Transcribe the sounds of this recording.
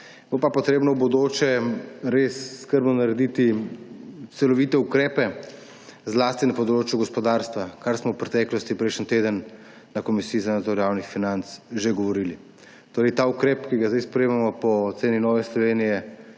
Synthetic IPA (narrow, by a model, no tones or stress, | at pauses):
bopapɔt̪ɾeːbnɔbɔd̪oːt͡ʃɛɾesːkəɾbnɔnaɾɛd̪it̪i | t̪sɛlɔʋit̪ɛukɾɛːpɛ | zlast̪inapɔd̪ɾoːt͡ʃjuɡɔspɔd̪aːɾst̪ʋakaɾsmɔwpɾɛt̪ɛklɔst̪ipɾɛʃənt̪eːd̪ənː | akɔmisiːzanad̪zɔɾjawnixfinant̪sʒeɡɔʋɔɾili | t̪oːɾɛjt̪aukɾɛːpkiɡazd̪ajspɾɛjeːmamɔpɔt̪seːninɔʋɛslɔʋeːnijɛ